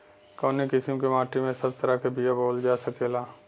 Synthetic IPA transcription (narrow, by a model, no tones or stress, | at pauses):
koːnekɪsɪmkemaːʈimẽsɐb̚t̪ɐɾakebʱijaboːld͡ʒaːsɐkelaː